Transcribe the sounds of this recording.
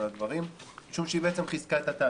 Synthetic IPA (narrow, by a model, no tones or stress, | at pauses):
lad̪vaʁimmiʃumʃeibeet͡semχizkaet̪at̪aː